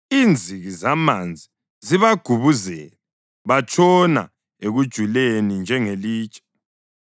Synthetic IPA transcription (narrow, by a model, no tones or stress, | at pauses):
iːnd͡zʱiɣizamand͡zʱi | ziβaɡ̥ʱuβuzɛːlɛ | βat͡ʃʼʰɔna̰ | eɣud̥ʒ̥ʱulenind͡ʒʱɛŋeliːt͡ʃʼʰɛ̥